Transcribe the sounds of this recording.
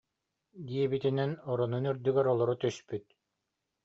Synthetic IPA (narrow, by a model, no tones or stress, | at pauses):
d̪iɛbit̪inɛnɔɾɔnunyɾd̪yɡɛɾɔlˠɔɾut̪yspyt̪̚